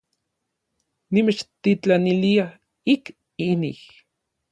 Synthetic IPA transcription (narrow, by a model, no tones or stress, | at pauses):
nimet͡ʃt̪it͡ɬanilia | ik | inḭh